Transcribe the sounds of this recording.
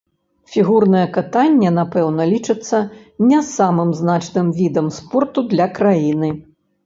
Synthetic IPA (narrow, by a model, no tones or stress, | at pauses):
fʲiɣurnɐjɛkat̪anʲːɛnapɛwnɐlʲit͡ʂɨt̪sːɐ | nʲɛsamɨmznat͡ʂnɨmvʲid̪ɐmspɔrt̪ud̪lʲɐkɾajinɨ